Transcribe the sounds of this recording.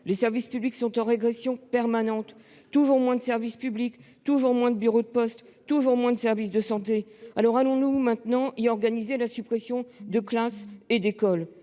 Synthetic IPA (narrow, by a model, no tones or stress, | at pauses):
lesɛʁvispybliksɔ̃t̪ɑ̃ʁeɡʁɛsjɔ̃pɛʁmanɑ̃t̪ː | uʒuʁmwɛ̃d̪əsɛʁvispyblik | t̪uʒuʁmwɛ̃d̪əbyʁod̪əpɔst̪ | t̪uʒuʁmwɛ̃d̪əsɛʁvisd̪əsɑ̃t̪ealɔʁalɔ̃numɛ̃t̪nɑ̃iɔʁɡanizelasypχesjɔ̃d̪əklased̪ekɔl